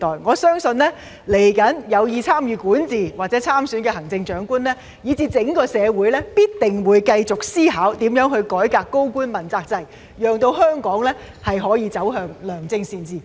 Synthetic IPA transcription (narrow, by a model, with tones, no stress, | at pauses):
t̪ɔː˨jŋɔː˨˧sœː˥ŋsɵ˧nlɛː˥ | le˨˩jkɐ˨˥njɐ˨˧wjiː˧t͡sʰaː˥mjyː˨˧kuː˨˥nt͡siː˨˩waː˨t̚t͡sɛ˨˥t͡sʰaː˥msyː˨˥nkɛ˧hɐ˨˩ŋt͡sɪ˧ŋt͡ʃœː˨˥ŋkuː˥nlɛː˥ | jiː˨˧t͡siː˨˧t͡sɪ˨˥ŋkɔː˧sɛː˨˧wuː˨˥jlɛː˥piː˥t̚t̪ɪ˨˩ŋwuː˨˧jkɐ˧jt͡sʊ˨k̚siː˥ɦaː˨˥wt̪iː˨˥mjœː˨˥ŋɦɵ˧ɥkɔː˨˥jkaː˧kːo˥wkuː˥nmɐ˨˩nt͡saː˧k̚t͡sɐ˧j | jœː˨˩ŋt̪o˧whœː˥ŋkɔː˨˥ŋlɛː˥ | hɐ˨jɦɔː˨˥jiː˧t͡sɐ˨˥wɦœː˨ŋlœː˨˩ŋt͡sɪ˧ŋsiː˧nt͡siː˨˩